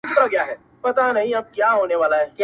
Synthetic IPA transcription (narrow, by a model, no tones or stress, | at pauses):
t̪ɾaɡjaɦɛː | pɐt̪anɐɦĩɐb̚kjaːɦoːneʋaːlaɦɛːkj